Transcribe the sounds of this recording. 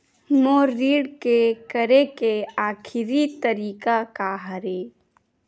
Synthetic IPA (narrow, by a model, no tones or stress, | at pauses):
moːɾːiːɽkekəɾekeaːkʰɪɾit̪əɾiːkakaɦəɾeː